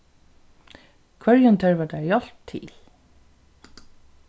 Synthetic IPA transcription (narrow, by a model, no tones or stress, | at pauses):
kʰvœɹjʊnt̪ʰœɹvat̪ajɔl̥p̚t̪ʰḭːl